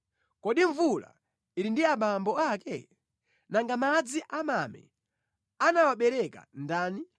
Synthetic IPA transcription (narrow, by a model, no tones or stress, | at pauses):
kɔɗiɱvula̰ | ilindiaɓambɔakɛ | naŋɡamad͡ziʔamamɛ̰ | anawaɓɛɾɛka̰ndaːni